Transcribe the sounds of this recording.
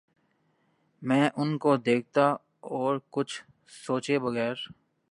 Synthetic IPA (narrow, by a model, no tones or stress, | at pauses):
mɛ̃ːʔʊnkod̪eːk̚t̪a | ɔːɾkʊt͡ʃʰ | soːt͡ʃebɐɣɛːɾ